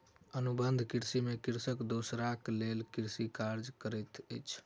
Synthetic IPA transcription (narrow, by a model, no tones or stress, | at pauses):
ənubənd̪ʱkiɾsimekiɾsəkd̪osɾaklelkiɾsikaɾd͡ʒkəɾət̪ə̰jt͡ʃʰ